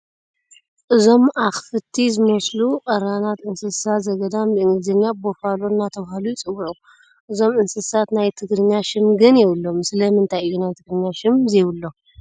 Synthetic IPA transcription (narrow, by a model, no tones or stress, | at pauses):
ʔɨzo̞mʔaxfɨt̪ʰːizɨmosluʔʼɐɾanat̪ɨnsɨssat̪zɐɡɐd̪amɨɨŋɡɨzɐɲːabofalonːat̪ʰɐβahalujt͡sʼɨwːuʕu | ʔɨzo̞mʔɨnsɨsat̪najt̪ʰɨɡɾɨɲːaʃɨmɡɨnjɛwʊlːo̞mɨsɨlɐmɨnt̪ʰajɨjːunajt̪ʰɨɡɾɨɲːaʃɨmzewʊlːo̞